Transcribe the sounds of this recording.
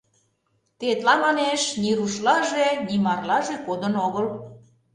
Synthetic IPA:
t̪et̪lɑmɑneʃniɾuʃlɑʒenimɑrlɑʒekod̪ənoɣəl

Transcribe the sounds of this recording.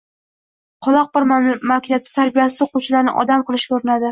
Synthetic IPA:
qʰɒlˠɒq̚bɪɾmakʲʰɪnjat̪̚ːɪ̥t̪ʰaɾbijasɪ̥zqʰʊt͡ʃʰlaɾnɪ̰ʔɒ̰d̪amqʰɨlˠɪʃkʲʰɵɾɪnad̪ɪ

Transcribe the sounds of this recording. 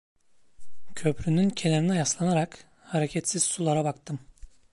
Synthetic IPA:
cʰø̞pɾynyncʰeleɾinɛjaslˠanaɾak | haɾecʰɛt̪siz̥sulˠaɾabakt̪ʰɯm

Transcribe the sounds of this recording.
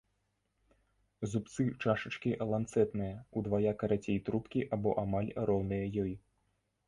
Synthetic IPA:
zup̚t̪sɨt͡ʂaʂɐt͡ʂkʲiʔɐlˠant̪sɛt̪nɨjɐud̪vajakɐɾat͡sʲejt̪ɾupkʲiʔabɔ̰ʔamalʲɾɔwnɨjɐjɔji

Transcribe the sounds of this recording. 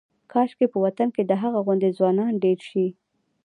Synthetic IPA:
kʰɑʃkepəwat̪anked̪əɦaɣaɣʊnd̪ezwɑnɑnɖeɾʃi

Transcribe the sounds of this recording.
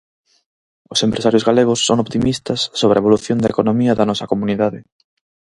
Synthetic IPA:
ʊsempɾʔesaɾjʊzɣaleɣʊsːoŋoβt̪imist̪ɐsːoβɾeβoluθjoŋd̪ɐekonomiɐðɐnɔsɐkomuniðaðɪ

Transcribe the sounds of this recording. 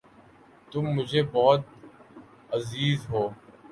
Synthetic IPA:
t̪ʊmːʊd͡ʒʱeːbɔːt̪̚ | əziːzɦoː

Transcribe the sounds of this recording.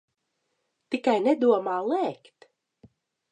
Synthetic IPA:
t̪ikajnɛd̪uɔmaːlˠɛːkt̪

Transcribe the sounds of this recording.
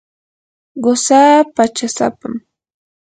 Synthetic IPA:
ɢosaːpat͡ʃasa̰pam

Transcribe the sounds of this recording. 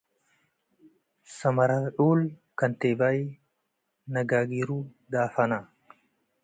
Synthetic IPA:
sɐmɐɾaʔuːlkɐnt̪ebaj | nɐɡaːɡiɾu | d̪aːfɐna

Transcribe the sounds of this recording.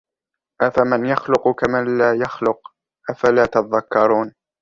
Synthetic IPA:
ʔafamanjaxlʊqkamanlaːjaxlʊq̚ | ʔafalaːt̪ɑtðˤakːɑɾˤuːn

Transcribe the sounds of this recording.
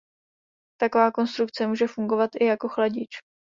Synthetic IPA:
t̪ako̞vaːko̞nst̪ɾukt͡sɛmuːʒɛfuŋɡo̞vat̪ʔɪjako̞xlaɟɪt͡ʃ

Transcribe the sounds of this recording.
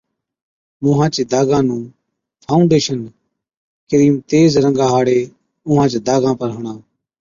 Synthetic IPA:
mʊɦãːt͡ʃeːd̪aːɡãːnũː | pʰaːʊ̃ɳɖeːʃən | kəɾiːmt̪eːzɾə̃ŋɡaːɦaːɽeː | ʊɦãːt͡ʃːd̪aːɡãːpəɾɦʊɳãː

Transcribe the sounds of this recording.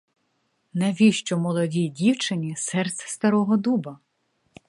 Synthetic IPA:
nɛʋʲiʃt͡ʃɔmɔlˠɔdʲidʲiwt͡ʃɪnʲisɛrt̪sʲst̪ɐɾɔɦɔd̪ubɐ

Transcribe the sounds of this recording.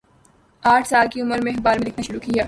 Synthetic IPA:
aːʈʰsaːlkiʊməɾmẽxbaːɾmẽlɪkʰnaʃʊɾuːkijaː

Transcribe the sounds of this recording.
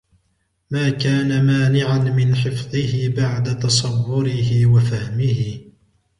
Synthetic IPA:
maːkaːnamaːnɪʕanmɪnħɪfðˤɨhɪbaʕd̪at̪ɑsˤɑwːʊɾɪɦɪwafahmɪhɪ

